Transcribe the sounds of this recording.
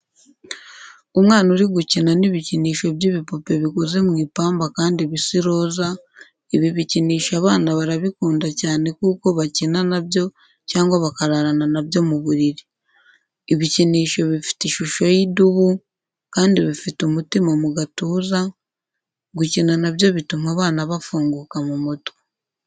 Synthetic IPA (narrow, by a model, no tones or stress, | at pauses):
umŋaːnuɾiɡucinaniβiciniːʃo̞βjiβipope̞βikoze̞mŋiːpaːmbakaːndiβisiɾo̞ːza | iβiβiciniːʃaβaːnaβaɾaβikuːndacaːne̞kuːko̞βacinanabjo̞ | caːŋɡwaβakaɾaɾananaβjo̞muβuɾiɾiː | βiciniːʃo̞βifi̥tiʃuʃo̞jiduβu | kaːndiβifitumutimamuɡatuːza | ɡucinanaβjo̞βitumaβaːnaβafuːŋɡuːkamumuto̥